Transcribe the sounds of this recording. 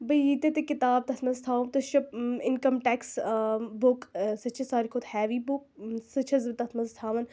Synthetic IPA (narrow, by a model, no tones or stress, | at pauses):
bɐjit̪et̪ekɪt̪aːb̚t̪ɐt̪ʰmɐzt̪ʰaːt̪ɐʃɐpɪnkɐmʈɛksbʊksɐt͡ʃʰɐsaːɾikʰot̪hɛːʋibʊk̚sɐt͡ʃʰɐzbt̪ɐt̪ʰmɐzt̪ʰaːʋɐn